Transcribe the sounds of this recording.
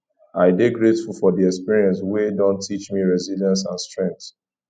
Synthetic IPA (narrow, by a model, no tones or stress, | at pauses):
aɪdeɡɹetfulfɔdiɛkspiɹiɛ̃nswedɔ̃ntʰːit͡ʃmiɹɛziljãnsãnstɹɛ̃ŋk̚θ